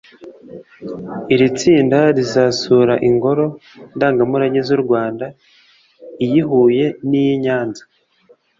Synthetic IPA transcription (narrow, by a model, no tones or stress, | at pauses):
iɾit͡siːndaɾizasuːɾaʔiŋɡo̞ɾo̞ | ndaːŋɡamuɾaɲezuɾɡwaːnda | ijiɦuːje̞nijiɲaːnzḁ